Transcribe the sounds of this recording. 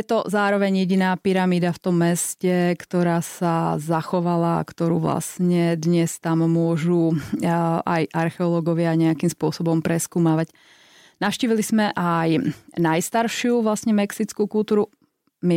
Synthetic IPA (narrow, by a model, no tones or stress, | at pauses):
jɛt̪ɔzaːɾɔʋɛɲjɛɟinaːpiɾamiːd̪aft̪ɔmːɛscɛkt̪ɔɾaːsazaxɔʋala̰ːkt̪ɔɾṵːʋla̰sɲɛd̪ɲɛst̪ammʊɔʒu | ʔajʔaɾxɛɔlɔɡɔʋɪaɲɛakimspʊɔsɔbɔmpɾɛskuːmaːʋac | naʃciːʋilizmɛʔajnajst̪aɾʃɪuʋlasɲɛmɛksit͡skukulˠt̪uːɾu | mi